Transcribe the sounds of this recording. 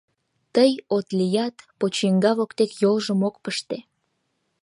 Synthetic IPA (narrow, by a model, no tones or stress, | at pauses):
t̪əjot̪lijɑt̪pot͡ɕiŋɡɑβokt̪ekjolʒəmok̚pəʃt̪e